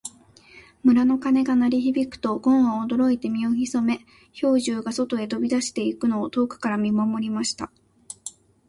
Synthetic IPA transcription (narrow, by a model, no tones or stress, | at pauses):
mɯ̟ɾano̞kane̞ɡanaɾʲiçibʲikɯ̟̥t̪o̞ɡõ̞ɰ̃ãod̪o̞ɾo̞it̪e̞mʲio̞çiso̞me̞ | ço̞ːʑɨːɡaso̞t̪o̞e̞t̪o̞bʲid̪aɕi̥t̪e̞ikɯ̟no̞ːt̪o̞ːkɯ̥kaɾamʲimamo̞ɾʲimaɕi̥t̪a